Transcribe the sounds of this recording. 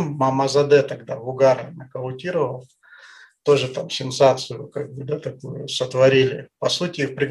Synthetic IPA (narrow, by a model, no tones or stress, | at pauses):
mːɐmɐzɐd̪ɛt̪ɐɡd̪avʊɡaɾənɐkəlˠʊtʲiɾəvəl | t̪o̞ʐɨt̪amsʲɪnsat̪sɨjʊkaɡ̚bɨd̪at̪ɐkujʊsət̪vɐɾʲilʲɪpɐsutʲɪfpɾʲɪɡ